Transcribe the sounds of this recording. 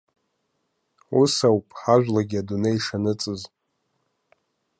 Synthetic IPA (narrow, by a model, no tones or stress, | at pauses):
usawpʼħaʒʷᶣlaɡʲiadunejʂanɨt͡sʼɨz